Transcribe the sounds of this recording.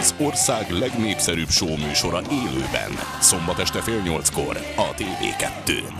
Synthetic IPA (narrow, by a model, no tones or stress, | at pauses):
zo̞rsaːɡlɛɡneːpsɛɾyːpʃoːmyːʃo̞ɾɒʔeːlø̰ːbɛ̰n | so̞mbɒt̪ɛʃt̪ɛfeːlɲo̞lt̪sko̞̰r | ɒt̪eːvḛːkɛt̪ːø̰ː